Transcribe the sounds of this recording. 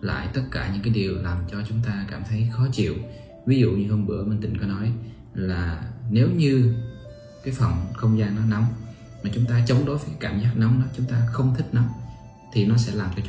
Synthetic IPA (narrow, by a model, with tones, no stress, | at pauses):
la̰ː˧˨jt̪ə˦˥t̚kaː˧˩ɲɨ̰˧˥ŋkaː˨˦jɗi˨˩əwlaː˨˩mt͡ɕɔ˧t͡ɕʊ˨˦ŋ͡mt̪aː˧kaː˧˩mt̪ʰə˨˦jxɔ˨˦t͡ɕḭ˧˨əw | vi˨˦zṵ˧˨ɲɨ˧hə˧nɓɨ̰˧˩˥əmə˧nt̪i˨˩ŋkɔ˨˦nɔ˨˦j | laː˨˩ne˨˦wɲɨ˧ | kaː˨˦jfə˨˩ŋ͡mxə˧wŋ͡mzaː˧ŋnɔ˨˦na˨˦wŋ͡m | maː˨˩t͡ɕʊ˨˦ŋ͡mt̪aː˧t͡ɕə˨˦wŋ͡mɗo˨˦jvəː˨˦jkaː˨˦jkaː˧˩mzaː˦˥k̚na˨˦wŋ͡mɗɔ˨˦t͡ɕʊ˨˦ŋ͡mt̪aː˧xə˧wŋ͡mt̪ʰi˦˥k̟̚na˨˦wŋ͡m | t̪ʰi˨˩nɔ˨˦sɛ̰˧˥laː˨˩mt͡ɕɔ˧t͡ɕ